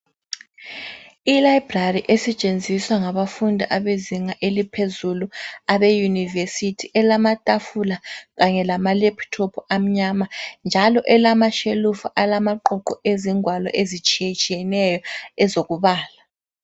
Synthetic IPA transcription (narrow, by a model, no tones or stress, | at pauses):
ilaibrariʔesɛt͡ʃʼend͡zʱiswaŋaβafundʱiʔaβeziŋaʔelipʰezuluaβejunivesitʰiʔɛlamatʼafulaɣaɲɛlamalɛpʰtʰɔpʰɔam̩ɲamand͡ʒʱalɔʔɛlamaʃelufuʔalamaǃɔǃɔʔeziŋwalɔ̰ʔezit͡ʃʼijet͡ʃʼijɛnɛjɔɛzoɣuβaːla